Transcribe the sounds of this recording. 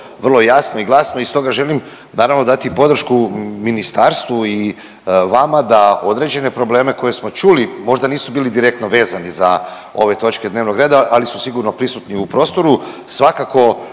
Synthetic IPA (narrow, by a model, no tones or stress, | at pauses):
ʋrlˠo̞jasno̞iɡlˠasnoist̪o̞ɡaʒe̞lim | naːɾaʋnod̪at̪ipo̞d̪ɾ̩r̩ʃkuminist̪aːɾst̪ʋui | ʋamad̪ao̞d̪ɾe̞ːd͡ʑe̞ne̞pɾo̞ble̞ːme̞ko̞je̞smo̞t͡ʃulimo̞ʒd̪aniːsubiːlid̪iɾe̞kt̪no̞ʋe̞ːzaniza̰ | o̞̰ʋe̞t̪o̞t͡ʃke̞d̪neʋno̞ɡɾe̞ːd̪aalisu̥siɡuɾno̞pɾisut̪niupɾo̞ːst̪o̞ɾu | sʋakako̞